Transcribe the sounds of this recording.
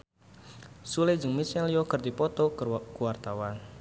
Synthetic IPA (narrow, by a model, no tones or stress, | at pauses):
sulɪd͡ʒəŋmisɛliɔkərd̪ipɔt̪ɔkkuwart̪awan